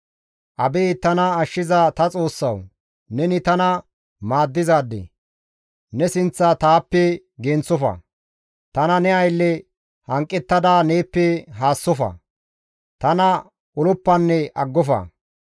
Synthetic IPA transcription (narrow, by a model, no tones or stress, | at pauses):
ʔɐbeːt̪ɐnɐːʃːɪzɐt̪ɐt͡sʼo̞ːsːɐw | nɛnɪt̪ɐnɐ | maːd̪ːɪzaːd̪ːɛ̰ | nɛsɪnt͡sːɐt̪aːpːɛ | ɡeːnt͡sːɔfɐ̰ | t̪ɐnɐnɛɐjlːɛ | hɐŋkʼːɛt̪ːɐd̪aːneːpːɛɦaːsːɔfɐ̰ | t̪ɐnɐ | ʊlʊpːɐnːɛʔɐɡːɔfɐ̰